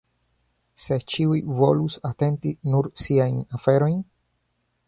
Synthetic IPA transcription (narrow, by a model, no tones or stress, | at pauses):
se̞t͡ʃiujvo̞lusate̞ntinuɾsiajnafe̞ɾo̞jn